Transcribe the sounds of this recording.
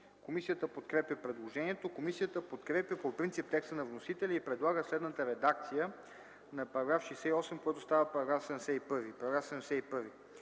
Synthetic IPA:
komisijət̪əpot̪kɾɛpjəpɾɛd̪lˠoʒɛniɛt̪okomisijət̪əpot̪kɾɛpjəpopɾint̪sip̚t̪ɛkst̪ənɐvnosit̪ɛlʲiipɾɛd̪lˠaɡəslɛd̪nət̪əɾɛd̪ak̚t̪sijə | nɐpɐɾɐɡɾafʃɛjsɛiɔsɛmkoɡat̪ost̪avəpɐɾɐɡɾafsɛmsɛipɤɾvipɐɾɐɡɾafsɛmɛsɛipɤɾvi

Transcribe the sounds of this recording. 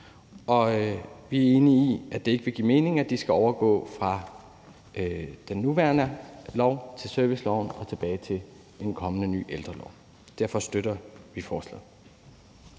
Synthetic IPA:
ʔɒ̽ʋiæɐe̝ːniːʔæd̥e̝e̝ɡ̥əʋe̝ɡ̥ḭːme̝ːne̝ŋæd̥isɡ̥æɒʊɐɡ̥ɔ̰̽ːfʁɑ̈ | d̥enːuʋæɐnəlɒʊt͡sʰe̝lsœɐʋislɒʊ̰nɒ̽t͡sʰe̝b̥ɛːɪt͡sʰe̝l | e̝nkʰɒ̽mənəny̰ːʔeld̥ʁɐlɒʊ | d̥æɐ̰fɒ̽sd̥øɾɐʋifɒːslɛ̰ð̩ˠ

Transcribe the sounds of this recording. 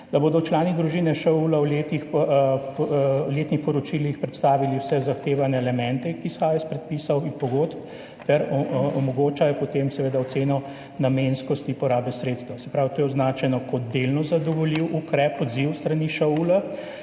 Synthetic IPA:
d̪aboːd̪ɔt͡ʃlaːnid̪ɾuʒinɛʃɔulawlet̪ix | let̪nixpɔɾɔt͡ʃilixpɾɛt̪st̪aːʋiliwsɛzaxt̪eːʋanɛːlɛmɛ̃nt̪ɛkisxaːjɛspɾɛt̪̚pisɐwinpɔɡot̪p | t̪ɛɾɔmɔɡoːt͡ʃajɔpɔt̪emsɛʋeːd̪aɔt̪seːnɔ | namenskɔst̪ipɔɾaːbɛsɾeːt̪st̪asɛ̥pɾaːwt̪oːjɛɔznaːt͡ʃɛnɔkɔt̪d̪elnɔzad̪ɔʋɔliwʔukɾɛpɔd̪ziwst̪ɾaniʃaula

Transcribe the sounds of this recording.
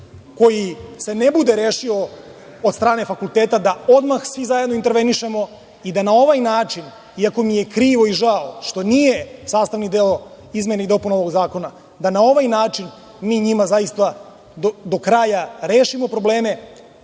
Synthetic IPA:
ko̞jise̞nebud̪e̞ɾeːʃio̞ | od̪st̪ɾaːne̞fakulˠt̪eːt̪ad̪ao̞d̪maxsʋizajed̪noint̪eɾʋe̞niʃe̞mo̞ | id̪anao̞ʋajnaːt͡ʂin | iako̞mijekɾiːʋo̞iʒaoʃt̪o̞nije̞saːst̪aʋnid̪eo | izmʲjeneid̪o̞punoʋoɡzaːko̞na | d̪anao̞ʋajnaːt͡ʂin | miːɲimazajist̪a | d̪od̪o̞kɾaːjaɾe̞ːʃimo̞pɾo̞ble̞ːme̞

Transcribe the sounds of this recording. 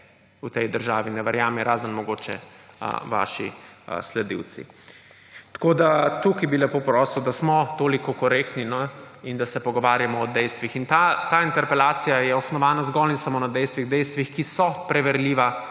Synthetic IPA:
ut̪ɛjd̪əɾʒaːʋinɛʋɛɾjaːmɛɾaːzənmɔɡoːt͡ʃɛ̰ | ʋa̰ːʃḭslɛd̪ḭw̪sḭ | t̪ḁkoːd̪at̪ukibilɛpopɾɔːsiwd̪asmɔt̪oːlikɔkɔɾeːkt̪ninɔind̪asɛpɔɡɔʋaːɾjamɔːd̪ɛjst̪ʋixint̪at̪aːint̪ɛɾpɛlaːt̪sijajɛɔsnɔʋaːnazɡɔlinsamoːnad̪ɛjst̪ʋiɣd̪ɛjst̪ʋixkisɔpɾɛʋɛɾliːʋa

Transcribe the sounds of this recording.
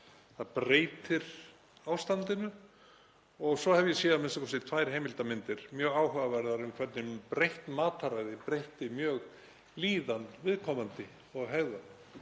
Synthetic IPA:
θaðpɾeːjt̪ɪɾ̥ | aːwst̪ant̪ɪnʏ | ɔɣsɔhɛvjɛsjɛːðamɪnsakʰɔsɪt̪ʰvajɾ̥heːjmɪlt̪amɪnt̪ɪɾ̥mjœːɣaːwɦœɣavɛɾðaɾʏmkʰv̥ɛɾt̪nɪmpɾejht̪maːt̪aɾaːjðɪpɾejht̪ɪmjœːɣ | liːðanvɪðkʰɔːmant̪ɪ | ɔɣɦɛɣðan

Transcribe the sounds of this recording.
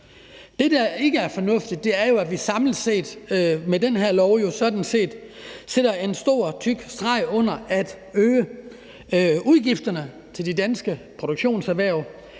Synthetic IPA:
d̥e̝d̥ɑe̝ɡ̥əæɐfɒ̽nɔ̽fd̥id̥̚ːe̝æɐjo̝æʋisɑ̈ml̩se̝̰ːd̥medenɦeɐ̰lɒʊjo̝sɒ̽d̥n̩se̝̰ːd̥ | seɾ̥ɐe̝nsd̥o̝ɐ̰t͡sʰyɡ̥sd̥ʁɑ̈ɪɔ̽n̰ɐæd̥ | øːə | uðˠɡ̥ifd̥ɐnə | t͡sʰe̝ld̥idænsɡ̥əpʰʁo̝ɾ̥uɡ̥ɕo̝̰ːnsæʋæɐ̰ʊ

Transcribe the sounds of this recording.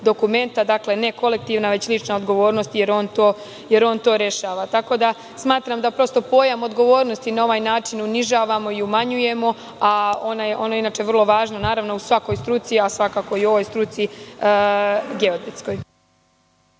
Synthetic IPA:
d̪o̞kume̞nt̪ad̪akle̞ne̞ko̞le̞k̚t̪iːʋnaʋe̞t͡ɕlˠit͡ʃnao̞d̪ɡo̞ʋo̞ːɾnost̪je̞ɾo̞ːnt̪o̞ː | je̞ɾo̞ːnt̪o̞ːɾe̞ʃaːʋat̪ako̞d̪a | smaːt̪ɾamd̪apɾo̞st̪o̞po̞jamo̞d̪ɡo̞ʋo̞ːɾno̞st̪inao̞ʋaːjnaːt͡ʃinuniʒaːʋamo̞iumaɲuje̞mo̞ | ao̞najeʔo̞noinaːt͡ʃeʋər̩lˠo̞ʋaːʒnonaːɾaʋno̞usʋako̞jst̪ɾut̪siasʋakaːko̞io̞ʋo̞jst̪ɾut̪si | ɡe̞od̪ɾet̪sko̞j

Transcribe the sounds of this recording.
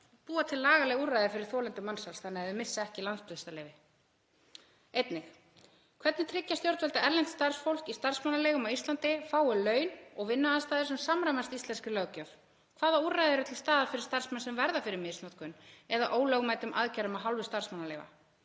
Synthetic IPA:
puːat̪ʰɪlːaːɣalɛɣurːajðɪfɪɾɪɾ̥θɔːlɛnt̪ʏmansalsθanɪaɛðʏmɪsːaɛhcɪlant̪spʏðɪst̪alɛːjvɪ | ejt̪nɪx | kʰvɛt̪nɪt̪ʰɾɪcːast̪jowɾt̪vɛlt̪aɛɾlɛnt̪st̪ar̥sfowl̥kist̪ar̥smanːalɛːɣʏmawist̪lant̪ɪfaːwɪlœːɥnɔɣvɪnːaaðst̪aːðɪsɛmsamɾajmast̪ist̪lɛnskɪlœɣcœv | kʰvaːðaurajðɪɛɾʏt̪ʰɪlst̪aːðaɾfɪɾɪɾ̥st̪aɾrsmɛnsɛmvɛɾðafɪɾɪɾmɪðsnat̪kʰœnɛðaʔoːwlœɣmajt̪ʏmʔa̰ðcaɾʏmaðɦawlvʏst̪ar̥smanːalɛːva̰

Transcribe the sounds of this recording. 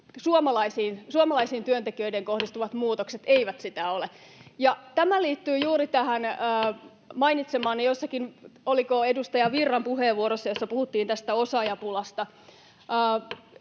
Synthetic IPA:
suomɑlɑisiːnsuomɑlɑisiːnt̪yønt̪ekiøideŋkohdist̪uʋɑt̪muːt̪okset̪eiʋæt̪sit̪æolejɑt̪æmæliːt̪ːyːjuːɾit̪æhænː | mɑinit̪semɑːnnijosːɑkinolikoedust̪ɑjɑʋirːɑmpuheːʋːuoɾosːɑjosːɑpuhut̪ːiːnt̪æst̪æosɑjɑpulɑst̪ɑː

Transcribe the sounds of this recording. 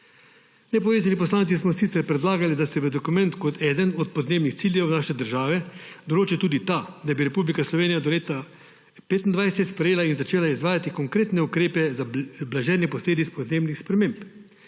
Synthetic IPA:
nɛpɔʋeːzanipɔslaːnt̪sismɔsit̪sɛɾpɾɛd̪laːɡalid̪asɛʋəd̪ɔkumɛnt̪kɔt̪ʰɛːd̪ənɔt̪̚pɔd̪neːbnixt̪siːljɛwnaːʃɛd̪əɾʒaːʋɛd̪ɔloːt͡ʃɛt̪uːd̪it̪ad̪abiɾɛpublikaslɔʋeːnijad̪ɔleːt̪a | peːt̪ind̪ʋajsɛsɛt̪spɾɛjeːlainzat͡ʃeːlaizʋaːjat̪ikɔŋkɾeːt̪nɛukɾeːpɛzablaʒɛːnjɛpɔsleːd̪it̪spɔd̪neːbnixspɾɛmeːmp

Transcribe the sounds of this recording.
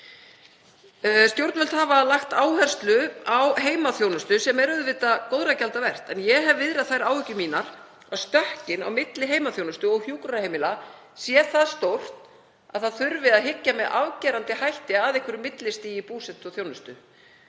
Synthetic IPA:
st̪jowɾt̪vɛlt̪havalaxt̪aːwhɛr̥st̪lʏawɦeːjmaθjownʏst̪ʏsɛmɛɾʏðvɪːt̪akoːwðɾracalt̪avɛr̥t̪ɛnjɛɦɛvvɪðɾaðθajɾaːwhʏcːʏmiːnaɾ̥ | ast̪œhcɪna̰wmɪt̪lɪɦeːjmaθjownʏst̪ʏɔɣhjuːkɾahejmɪla | sjɛθaðst̪owr̥t̪ | aðθaðθʏɾvɪðaðɦɪcːamɛðʔavcɛːɾant̪ɪhajht̪ɪaðɪhkʰvʏɾɪmɪt̪lɪst̪iːjipuːsɛt̪ɔθjoːwnʏst̪ʏ

